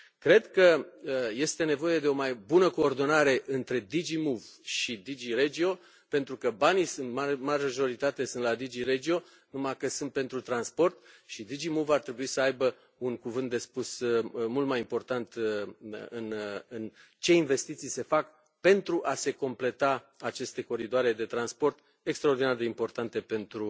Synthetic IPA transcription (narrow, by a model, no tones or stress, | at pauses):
kɾe̞d̪kəje̞st̪e̞ne̞vo̞je̞d̪e̞o̞majbunəko̞ːrd̪o̞naɾe̞ʔɨnt̪ɾe̞d̪id͡ʒimuvʃid̪id͡ʒiɾed͡ʒio̞ | pe̞nt̪ɾukəbanijsɨnt̪mamaʒʒo̞ɾit̪at̪e̞sɨnt̪lad̪id͡ʒiɾed͡ʒio̞ | numakəsɨnt̪̚pe̞nt̪ɾut̪ɾanspo̞rt̪ʃid̪id͡ʒimuvart̪ɾe̞buisəajbə | unkuvɨnt̪d̪e̞spusmult̪majimpo̞rt̪ant̪ | ɨnɨn | t͡ʃe̞inve̞st̪it̪sijse̞fak | pe̞nt̪ɾuʔase̞ko̞mple̞t̪aː | t͡ʃe̞st̪e̞ko̞ɾid̪oaɾe̞d̪e̞t̪ɾanspo̞rt̪ | ekst̪ɾao̞rd̪inard̪e̞impo̞rt̪ant̪e̞pe̞nt̪ɾu